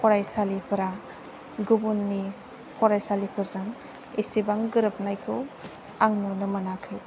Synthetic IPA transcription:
pʰɔɾajsalipʰɯɾa | ɡubunːi | pʰɔɾajsalipʰɯɾzɯŋ | esibaŋɡɯɾɯp̚najkʰɯw | aŋnunɯmanakʰɯ

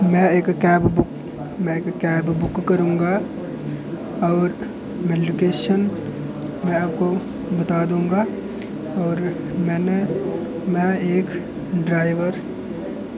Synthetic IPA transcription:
mɛ̃eːkkɛːbbʊk | mɛ̃eːkːɛːbbʊkːɐɾũːŋɡa | ɔːɾ | med͡ʒʊkeːʃən | mɛ̃aːp̚ko | bɐt̪aːd̪ũːŋɡa | ɔːɾ | mɛ̃ːne | mɛ̃eːk | ɖɾaːɪʋəɾ

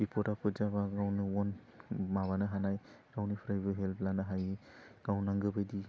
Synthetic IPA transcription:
bipʰɔɾapʰɔzabaɡawnɯwɔn | maβanɯɦanaj | ɾawnipʰɾajbɯɦelpblanɯɦaji | ɡ̥awnaŋɡɯbɯjdi

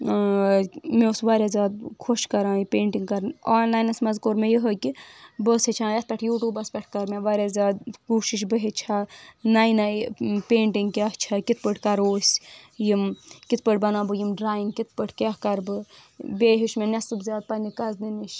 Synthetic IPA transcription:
meosʋaːɾʲjaːzʲaːd̪̚kʰoʃkɐɾãːipeːɳʈiŋɡkɐɾnaːnlaːjnɐsmɐzkoɾmejəɦəkibəset͡ʃʰãːjɐt̪̚pʲɐʈʰjuːʈuːbɐspʲɐʈʰkɐɾmeʋaːɾʲazʲaːd̪̚kuːʃiʃ̬bɨɦet͡ʃʰanajnajpeːɳʈiŋɡkʲaht͡ʃʰakit̪̚ʰpəʈʰkɐɾoːsʲjimkit̪̚ʰpəʈ̚ʰbɐnaːbɨjimɖɾaːjiŋɡkit̪̚ʰpəʈʰkʲaɦkɐɾbɨbʲeːɦiʃmenʲɐsɨbzʲjaːd̪̚pɐnikɐzniniʃ

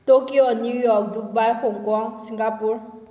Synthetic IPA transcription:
tokionjujɔk̚duk̚bajxoŋkɔŋsiŋɡapuɹ

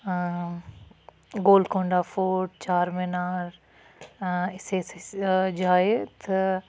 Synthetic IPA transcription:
ɡoːlkõːɳɖafoːʈ̚t͡ʃaːɾmenaːɾ | ɪsesd͡ʒaːet̪ʰɐ

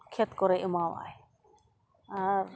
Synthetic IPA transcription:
kʰɛt̪kɔɾɛʔəmawa̰j | aɾ

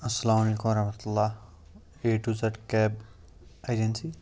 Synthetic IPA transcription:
ɐsːɐlaːmɐleːkumɾɐɦmɐt̪ulːa | eʈut͡sɐʈkɛb | ajd͡ʒensi

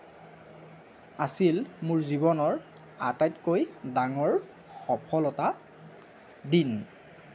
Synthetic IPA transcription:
asilmuɹzibɔnɔɹ | a̰tajtkojdaŋɔɹ | xɔpʰɔlɔta | din

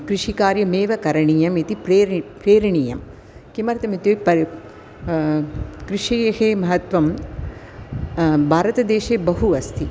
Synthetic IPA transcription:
kɾiʂikaːɾjɐmeːʋɐkɐɾɐɳijɐmit̪ipɾepɾeːɾɐɳijɐm | kimɐɾɐt̪ɐmit̪jupɐ | kɾiʂijɐheːmɐɦɐt̪ʋɐm | bʱaːɾɐt̪ɐd̪eːʃeːbɐɦuɐst̪ʰi

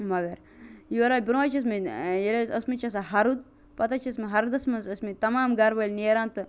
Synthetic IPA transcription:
mɐɡɐɾ | jiʋɐɾaːlʲbiɾowaːt͡ʃʰiɐs̬mijɐɾɐsɐsmit͡ʃʰɐs̬aɦɐɾud̪̚ | pɐt̪at͡ʃʰiɐsmiɦɐɾd̪ɐsmɐnsɐsmit̪ɐmaːmɡaɾbɐlʲnijɾãːnt̪ɨ

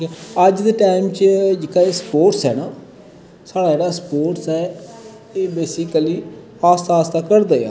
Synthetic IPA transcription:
ikɛəd͡ʒd̪eːʈaːɪmt͡ʃəd͡ʒɪkaːeːspoːʈsɦɛːnaː | saːɽaːd͡ʒeːɽaːspoːʈsɛː | eːbeːsɪkəliː | aːst̪aːst̪aːkəɾd̪aːja̰ː

